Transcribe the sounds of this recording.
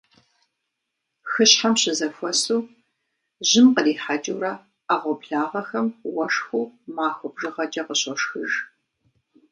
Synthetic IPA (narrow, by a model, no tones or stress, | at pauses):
xɨɕħamɕɪzɐfʷɔsuː | ʑɪmqəriːħad͡ʒʼɐwɾɐ | aʁʷɔpɬaːʁɐxɐmwɐʂxuːmaːxʷʊbʐɨʁɐd͡ʒʼɐqəɕɔʂxɨʒ